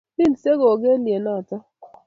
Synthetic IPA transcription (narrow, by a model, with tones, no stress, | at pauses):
bi˦˨n̩˨se˦ɣo˨ɡe˦nje˨na˦˨ta˦